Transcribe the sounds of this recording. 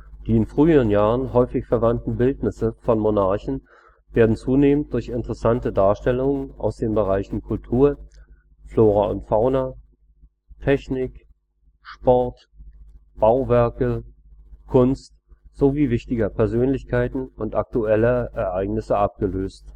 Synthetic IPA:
d̥iːɪnfʁ̥yːəʁ̞ənjaːʁ̞ənɦɔʏfɪçfɛɐvantn̩bɪltnɪsəfɔnmonaɐçn̩ | v̥eːɐdn̩t͡suːneːmənt̚d̥ʊɐçɪntəʁəsantədaːɐʃtɛlʊŋənʔa̰ʊsd̥eːnbəʁ̞aɪçn̩kʰʊltʰuːɐ | floːʁaʊ̰ntfaʊna | tʰɛçnɪk | ʃpɔɐt | b̥aʊvɛɐkə | kʰʊnst | z̥oviːvɪçtɪɡɐpʰɛɐzøːnlɪçkʰaɪtn̩ʊntʔak̚tuɛləʔɛɐʔaɪɡnɪsəʔap̚ɡ̥əløːst

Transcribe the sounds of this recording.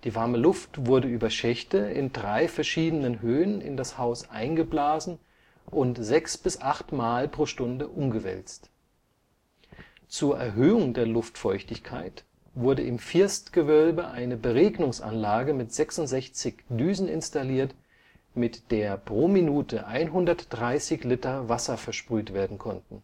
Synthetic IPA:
d̥iːvaɐməlʊftv̥ʊɐdəʔyːbɐʃɛçtəɪ̰ndʁaɪfɛɐʃiːdənənɦøːənɪ̰ndashaʊsʔa̰ɪnɡəblaːzn̩ | ʔʊntz̥ɛksb̥ɪsʔaχtmaːlpʁ̥oːʃtʊndəʔʊmɡəvɛ̰lt͡st | t͡suːɐʔɛɐɦøːʊŋdeːɐlʊftfɔʏçtɪçkʰaɪt | v̥ʊɐdəʔɪmfɪɐstɡ̥əvœlbəʔaɪnəbəʁeːɡnʊŋsʔa̰nlaːɡəmɪtz̥ɛksʊntz̥ɛçt͡sɪçdyːzn̩ɪ̰nstaliːɐt | mɪtd̥eːɐpʁ̥oːminuːtəʔaɪnɦʊndɐtd̥ʁaɪsɪçlɪtɐvasɐfɛɐʃpʁ̥yːtv̥eːɐdn̩kʰɔntn̩

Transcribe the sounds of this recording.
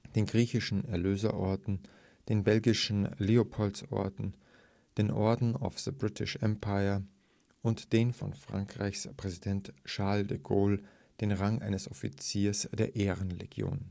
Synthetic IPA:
d̥eːnɡʁiːçɪʃn̩ɛɐløːzɐʔɔɐtn̩ | d̥eːnbɛlɡɪʃn̩leːopʰɔlsʔɔ̰ɐtn̩ | d̥eːnʔɔɐdn̩a̰ʊfð̥əbʁɪtʰɪʃʔɛmpʰaɪɐ | ʔʊntd̥eːnfɔ̰nfʁ̥a̰ŋkʁ̥a̰ɪçspʁ̥ɛzidɛntʃaɐldəɡoːl | d̥eːnʁaŋʔa̰ɪnəsʔɔfḭt͡siːɐsd̥eːɐʔeːʁənlḛɡjo̰ːn

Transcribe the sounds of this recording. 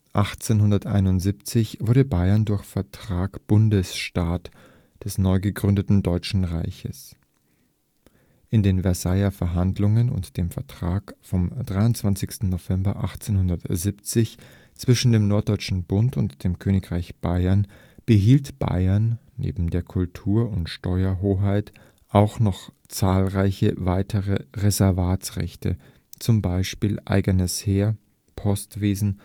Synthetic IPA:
ʔaχt͡seːnɦʊndɐtʔa̰ɪnʊntz̥iːpt͡sɪçv̥ʊɐɾdəbaɪɐndʊɐçfɛɐtʁ̥aːkb̥ʊndəsʃtaːt | d̥ɛsnɔʏɡəɡʁʏndətn̩dɔʏt͡ʃn̩ʁa̰ɪçəs | ʔɪndeːnvɛɐsaɪɐfɛɐɦandlʊŋənʊ̰ntd̥eːmfɛɐtʁ̥aːkfɔmd̥ʁaɪʊntt͡sv̥ant͡sɪçstn̩nov̥ɛmbɐ̰ʔa̰χt͡seːnɦʊndɐtzip̚t͡sɪç | t͡sv̥ɪʃn̩deːmnɔɐt̚d̥ɔʏt͡ʃn̩bʊntʊntd̥eːmkʰøːnɪkʁ̥aɪçb̥aɪɐn | b̥əɦiːltb̥a̰ɪɐnːḛːbm̩deːɐkʰʊltʰuːɐʊntʃtɔʏɐɦoːɦaɪt | ʔaʊxnɔχ | t͡saːlʁaɪçəvaɪtʰəʁəʁezɛɐvaːt͡sʁɛ̰çtʰə̰ | t͡sʊmbaɪʃpiːlʔa̰ɪɡənəsheːɐ | pʰɔstv̥eːzn̩

